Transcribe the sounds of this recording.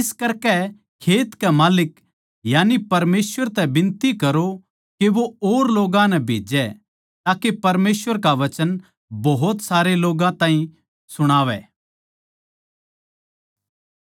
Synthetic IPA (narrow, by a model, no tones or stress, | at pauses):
ɪskɐɾkɛ | kʰeːt̪kɛmaːlɪk | jaːnipɐɾmeːsʋəɾt̪ɛbɪ̃nt̪ikɐɾo | keʋooːɾloːɡãnɛbʱeːd͡ʒɛ | t̪aːkepɐɾmeːsʋəɾkaʋɐt͡ʃən | bɔɦʊt̪saːɾeloːɡãt̪ãːɦĩ | sʊɽ̃aːʋɛ̰ː